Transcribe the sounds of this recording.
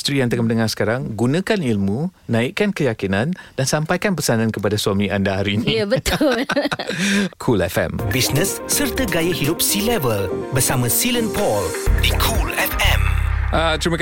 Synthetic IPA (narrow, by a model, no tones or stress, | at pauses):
st̪ɾijaŋt̪əɡamənəŋasə̥kaɾaŋɡunãkanilmũnãikːankəjakinãndansampajkanp̬əsanãnkəpadaswamĩʔandaɦaɾinĩjbət̪ʊl | kʰulɛfɛ̰mbisnə̃sːərt̪əɡajəhidʊp̚silɛvəlbərsamə̃silə̃npɔldikʰulɛfɛ̃mʔat̪ɾimə̃k